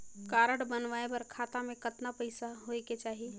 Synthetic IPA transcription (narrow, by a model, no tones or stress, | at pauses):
kaːɾəɽbənʋaːebɐɾkʰaːt̪amẽkət̪napəɪsaɦoeket͡ʃaːɦi